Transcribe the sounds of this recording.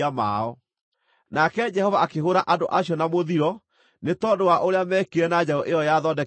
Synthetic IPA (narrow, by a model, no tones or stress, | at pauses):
amaɔ | nakɛd͡ʒɛhɔvaakeɦoɾaʔadoʔaɕjɔnamoðiɾɔ | netɔːdowaʔoɾeamɛkeɾɛnad͡ʑaɔʔejɔjaðɔdɛ